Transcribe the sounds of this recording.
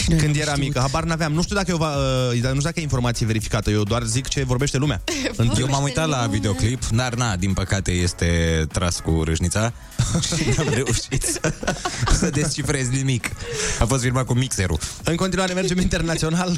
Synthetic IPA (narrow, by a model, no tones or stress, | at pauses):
kɨnd̪je̞ɾamikəɦabarnaveamnuʃt̪ud̪akəjevaəid̪anuud̪akəjeinfo̞rmat̪sijeve̞ɾifi̥kat̪əje̞wd̪oarzikt͡ʃe̞vo̞rbe̞ʃt̪e̞lumanjewmamujt̪at̪lavid̪eo̞klipd̪arnad̪inpəkat̪e̞je̞st̪e̞t̪ɾaskṵɾɨ̰ʒnit̪sa | ʃinamɾe̞uʃit̪səsəd̪est͡ʃifɾe̞zʲnimikafost̪firɾmat̪̚kumikseɾṵɨŋkont̪inuaɾemerd͡ʒe̞mint̪e̞rnat̪sio̞nal